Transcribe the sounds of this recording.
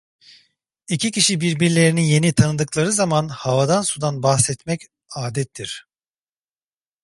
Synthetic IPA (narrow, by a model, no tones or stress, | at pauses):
icicʰiʃibiɾbiɾlʲe̞ɾinije̞nit̪ʰanɯd̪ɯklˠaɾɯzamanhavad̪ansud̪anbaxsɛt̪mɛc | aːd̪ɛt̪ʰːiɾ̥